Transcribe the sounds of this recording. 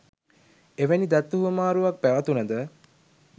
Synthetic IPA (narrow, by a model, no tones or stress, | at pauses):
eʋenid̪at̪ːuɦuəmaːɾuʋak̚pæʋɐt̪unəd̪ə